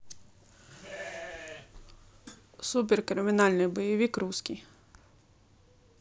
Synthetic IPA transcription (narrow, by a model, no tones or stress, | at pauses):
sup̬ʲɪrkɾɪmʲɪnɑlʲnɪjbɔjɪʋʲikɾuskʲij